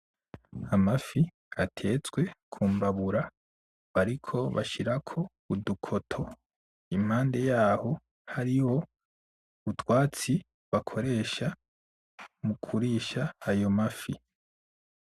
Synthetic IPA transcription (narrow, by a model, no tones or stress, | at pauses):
amafi | atʰe̞t͡sɡwe̞kʰuːmbaβuɾa | βaɾikʰo̞βa̰ʃiɾakʰo̞ | udukʰo̞tʰo̞ | im̥haːnde̞jaːho̞ | haɾiho̞ | utwaːt͡si | βakʰo̞ɾe̞ːʃa | mukʰuɾiːʃaːjo̞mafi